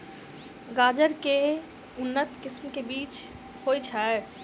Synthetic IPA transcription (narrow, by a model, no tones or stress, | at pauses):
ɡaːd͡ʒəɾke | ʊnːət̪kɪsmkebiːt͡ʃ | hojt͡ʃʰa